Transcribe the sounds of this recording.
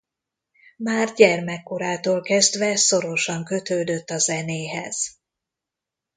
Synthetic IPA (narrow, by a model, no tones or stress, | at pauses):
maːrɟɛrmɛkːo̞ɾaːt̪oːlkɛzd̪ʋɛso̞ɾo̞ʃɒŋkø̞t̪øːd̪øt̪ːɒzɛneːɦɛ̰z̥